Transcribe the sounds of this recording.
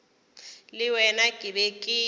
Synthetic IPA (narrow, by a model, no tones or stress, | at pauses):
lɪwɛnakʼɪbɛkʼɪː